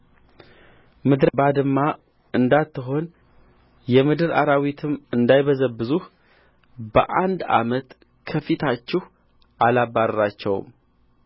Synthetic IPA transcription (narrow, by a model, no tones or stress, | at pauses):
mɨd̪ɾbad̪ɨmːa | ɨnd̪at̪ːɨɦo̞n | jɛmɨd̪ɨɾa̰ɾawit̪ʰɨmɨnd̪ajβəzəbɨzuh | bə̰ʔand̪a̰mət̪ | kʰəfit̪ʰat͡ʃːɪh | ʔalabːaɾɾat͡ʃːɛw̰m